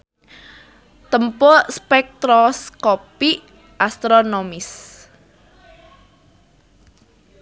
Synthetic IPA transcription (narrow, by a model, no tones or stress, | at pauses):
t̪əmpʊrspɛk̚t̪ɾɔskopiʔ | ʔast̪ɾonomɪs